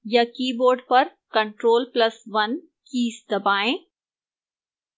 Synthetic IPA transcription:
jɐkiːboːɾɖpɐɾkɐ̃ɳʈɾoːlplɐsʋɐn | kiːsd̪ɐbaːẽː

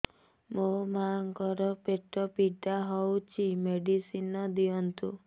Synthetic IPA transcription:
momaŋkɔɾɔpeʈɔpiʈaɦɔwt͡ʃʰimeɖisinɔd̪iɔnt̪u

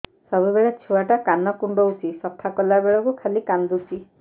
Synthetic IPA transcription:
sɔbubeɭet͡ʃʰuwaʈakanɔkuɳɖɔusisɔkʰːakɔlabeɭɔkukʰalikand̪usi

